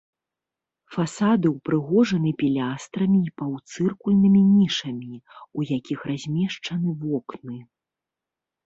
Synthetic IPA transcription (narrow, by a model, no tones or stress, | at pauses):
fasad̪ɨwpɾɨɣɔʐɐnɨpʲilʲast̪ɾɐmʲiːpɐwt̪sɨrkulʲnɨmʲinʲiʂɐmʲiujakʲixrazʲmʲɛʂt͡ʂɐnɨvɔknɨ